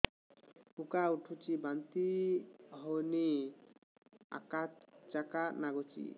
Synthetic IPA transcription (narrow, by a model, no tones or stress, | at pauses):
ukauʈʰut͡ʃibant̪i | ɦoni | a̰kat͡ʃakanaɡot͡ʃḭ